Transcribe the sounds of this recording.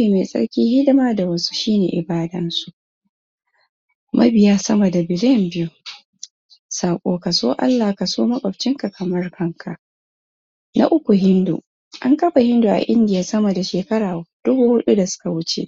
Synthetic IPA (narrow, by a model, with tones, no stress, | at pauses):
iː˨meː˨sʼɐ̰˦ɽkʲiː˦hɪ˦dɪ˦maː˦da˨wɐ˦su̥˦ʃiː˦nḛː˨ʔɪ˨baː˦dɐ˦nsu˨ʔ | mʔɐ˦bɪ˨jaː˦sɐ˦mɐ˨da˨bɪ˨lɪ˦jɛ˨mbɪ˦ju˦ | saː˨kʷʼoː˨˦ka˨soː˦ʔa̰˦lːaː˨ka˨soː˦mɐ˦kʼɐ˨ɸt͡ʃɪ˦ŋka˨kʰɐ˨mɐ˦rkʰɐ˦ŋkʰa˨ʔ | nʔa̰˦ʔʊ˦kʷu˨ɦɪ˦ndṵ˨ | ʔa˦ŋkɐ˦ɸa˨hɪ˦ndu˨ʔa̰˨ʔɪ˦ndɪ˨jaː˨sɐ˦mɐ˨da˨ʃeː˨kɐ˦ɽaː˨d̥ʊ˦bu˦hʊ˦ɗu˦da˨sʊ̥˦ka˨wʊ˦t͡ʃḛ˦ʔ